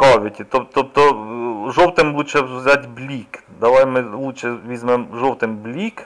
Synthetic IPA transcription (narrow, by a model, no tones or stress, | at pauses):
kɑʋʲɪtʲit̪ɔp̚t̪ɔp̚t̪ɔʒɔwt̪ɪmlˠut͡ʃɛʊzʲɑtʲblʲikd̪ɐʋɑjmɪlˠut͡ʃɛʋʲizmɛmʒɔwt̪ɪmblʲik